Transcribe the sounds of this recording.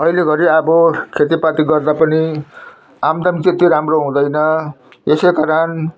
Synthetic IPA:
ʌileɡʌɾiʌbʌkʰet̪ipat̪iɡʌrd̪apʌni | amd̪ʌmit̪et̪iɾamroɦũd̪ʌjnʌ | esejkaɾʌn

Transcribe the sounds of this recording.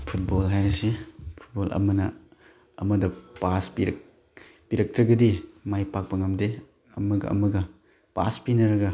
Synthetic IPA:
pʰut̚bolɦajɾɐsipʰu̥t̚bolʔɐ̰mɐnɐ | ɐ̰mɐdɐpaspiɾ | piɾɐk̚tɾɐɡɐdimajpak̚pɐŋɐmde | ɐ̰mɐɡɐ̰ɐ̰mɐɡɐ | pa̰spinɐɾɐɡɐ

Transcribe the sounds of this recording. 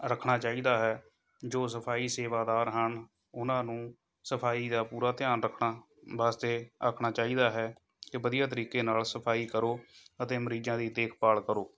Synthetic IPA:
ɾəkʰɳaːt͡ʃaːiːd̪aːɦɛː | d͡ʒoːs̬əpʰaːiːseːʋaːd̪aːɾɦən | ʊnãːnũː | səpʰaːiːd̪aːpuːɾaːt̪ɪjaːnɾəkʰɳaː | ʋaːst̪eːa̰kʰɳaːt͡ʃaːiːd̪aːɦɛː | kɪʋəd̪ijaːt̪əɾiːkeːnaːlsəpʰaːiːkəɾoːət̪eːməɾiːd͡ʒãːd̪iːd̪eːkʰpaːlkəɾoː

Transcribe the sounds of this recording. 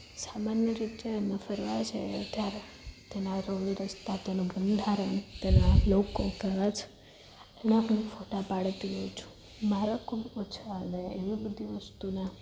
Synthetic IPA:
samanjəɾit̪jenəfəɾʋat͡ʃʰḛət̪jaɾe | t̪enaɾəliɾəst̪at̪enũbənd̪ʱaɾəɳt̪enalokokəʋat͡ʃʰ | enapənifoʈapaɽt̪iɦəit͡ʃʰu̥ | maɾakʰubot͡ʃʰaəneeʋibəd̪ʱiʋəst̪una

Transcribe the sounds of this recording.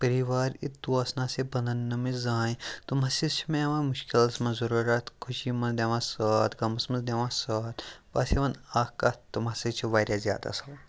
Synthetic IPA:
pəɾiʋaːɾit̪ːuɐsnasebɐnd̪ɐnːɐmizaːjt̪umasist͡ʃʰimẽɐʋamuʃkilsmɐnzɐɾuɾʲaːt̪kʰuʃimɐnd̪eʋãːsaːt̪ɡɐmɐsmɐnzd̪eʋãːsaːt̪ʋa̰seʋɐnaːkat̪umaset͡ʃʰiʋaːɾjazʲja̰ːd̪a̰sɐ

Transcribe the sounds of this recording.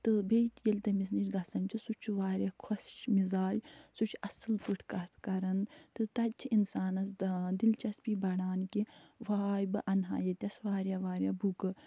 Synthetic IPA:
t̪ɨbet̪jelʲt̪ɐmisnit͡ʃɡɐsɐnt͡ʃisut͡ʃʰʋaːɾʲjaːkʰosʃmizaːd͡ʒsut͡ʃʰɐsɨlpuʈʰkɐkɐɾɐnt̪ɨt̪ɐt͡ʃʰinsaːnɐsd̪ilt͡ʃɐspibɐɽaːnkiʋaːjbɨʔɐnɦa̰ːjɐt̪ʲɐsʋaːɾʲjaʋaːɾjaːbukɨ

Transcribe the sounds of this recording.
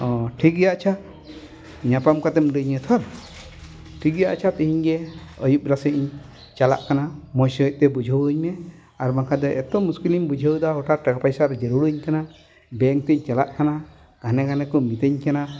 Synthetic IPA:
ɔʈʰik̚ɡɛjaʔt͡ʃʰa | ɲapamkat̪ɛmɾəɲət̪ʰɔɾ | ʈʰik̚ɡja̰ʔt͡ʃʰat̪əɦiɲɡɛəjup̚ɾasəʔiɲ | t͡ʃala̰ʔkanamɔjsc̚t̪ɛbud͡ʒʱəwəɲmɛ | aɾmakʰad̪ɔʔɛt̪ɔmuskilimbud͡ʒʱəwd̪aɦɔʈaʈakapajsaɾd͡ʒəɾuɽuɲkana | bɛŋt̪ɛɲt͡ʃalaʔkana | ɡ̥ʱanɛɡanɛkɔmit̪eɲkana

